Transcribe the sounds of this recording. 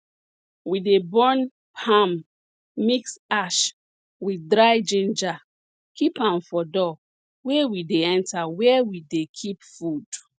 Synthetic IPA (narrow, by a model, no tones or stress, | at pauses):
widebɔn | pʰamː | iksaʃ | widɾajd͡ʒĩnd͡ʒa | kipãmfɔdɔ | wewideɛ̃ntawɛwidekʰipfud̥